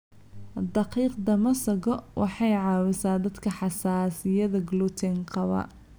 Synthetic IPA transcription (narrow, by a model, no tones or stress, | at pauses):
d̪ɑqiːqd̪ɐmɐsɐɣɔwʔɑħɑjʕɑːwɪsaːd̪ɐd̪kʰɐħɑsaːsɪjɐðɐɡlut̪ʰɛŋqɑβɐ̰